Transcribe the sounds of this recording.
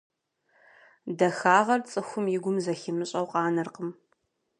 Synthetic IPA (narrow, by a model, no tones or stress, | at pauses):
dɐxaːʁɐrt͡sʼɨxʷʊmjɪɡʷʊmzɐxɪmɨɕʼɐwqʼɑːnɨrqəm